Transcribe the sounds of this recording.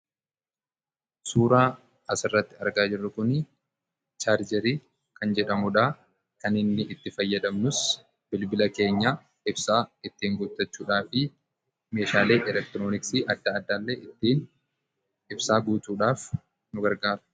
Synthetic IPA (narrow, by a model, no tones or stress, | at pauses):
suːɾaː | ɐsɪrːɐt̪ːɪɐɾɡaːd͡ʒɪrːɐkʊnɪ | t͡ʃaːɾd͡ʒɛɾiː | kɐnd͡ʒɛᶑɐmʊᶑaː | kɐnɪnːɪʔɪt̪ːɪfɐjːɐd̪ɐmnʊs | b̥ɪlbɪlɐke̞ːɲːaː | ɪbsaːɪt̪ːiːŋɡɔt̪ːɐt͡ʃːuːᶑaːfɪ | me̞ːʃaːle̞ːʔɛlɛk̚t̪ɪɾo̞ːnɪksiːʔɐd̪ːaːd̪ːaːlːeːʔɪt̪ːiːn | ɪbsaːɡuːt͡ʃ̪uːᶑaːf | nʊɡɐɾɡaːɾʊ̥